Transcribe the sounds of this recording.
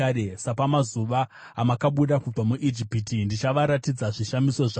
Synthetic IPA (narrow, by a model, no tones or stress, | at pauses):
aɾesapamazuʋaː | makaɓuɗakub͡vamuʔid͡ʒipitindit͡ʃaʋaɾatid͡zaʐiʃamiso̞ʐa